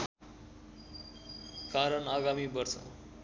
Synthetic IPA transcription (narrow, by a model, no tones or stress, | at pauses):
kaɾʌnaɡamibʌrsʌ̰